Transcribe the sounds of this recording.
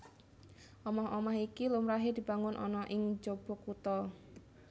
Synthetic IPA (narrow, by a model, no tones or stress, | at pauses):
ʔɔmɔɦɔmaɦikilumɾaɦed̪̥i̤b̥a̤ŋʊnʔɔ̰nɔʔɪŋd͡ʒob̥o̤kut̪ɔ